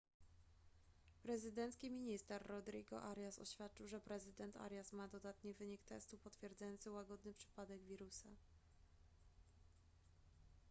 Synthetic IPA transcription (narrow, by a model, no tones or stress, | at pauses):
pɾɛzɘd̪ɛnt̪skʲimʲiɲist̪ɛɾːɔd̪ɾiɡɔ̰ʔaɾʲjasɔ̰ɕfʲjat̪̚t͡ʂɨwʐɛpɾɛzɘd̪ɛnt̪ʰa̰ɾjasmad̪ɔd̪at̪ɲɛvɘɲikt̪ɛ̰st̪upɔt̪fʲjɛɾd̪zajɔnt̪sɘwaɡɔd̪nɘpʂɘ̥pad̪ɛɡvʲiɾusa